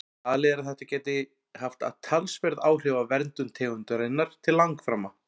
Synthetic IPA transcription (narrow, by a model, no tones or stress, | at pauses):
aːðlɛɛɾaðθɛht̪acɛːt̪ɪ | haft̪a̰ðt̪ʰalspɛɾðaːwr̥ɪvavɛɾnt̪ʏmt̪ʰɛːɣʏnt̪ʏɾenaɾ̥t̪ʰɪllːaŋkfɾaːmːa